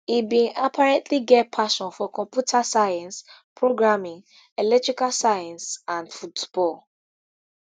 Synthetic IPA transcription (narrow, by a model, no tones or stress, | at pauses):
ibĩnʔapʰaɹɛ̃ntʰliɡɛt̚pʰaʃɔ̃nfɔkɔ̃mpjutʰasajãnspʰɹoɡɹamĩŋ | ɛlɛk̚tɹikalsajãnsãndfutb̥ɔl